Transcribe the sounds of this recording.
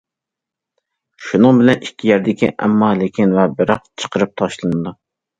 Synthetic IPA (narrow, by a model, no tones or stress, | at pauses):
ʃunɨŋbɪlɛnikʲʰːijɛɾd̪ɪkʲḭʔɛ̰mːɑːlɪkʲinvɛbɪɾɑqt͡ʃʰə̥qəɾɨp̚t̪ʰɑʃlˠɨnɨd̪u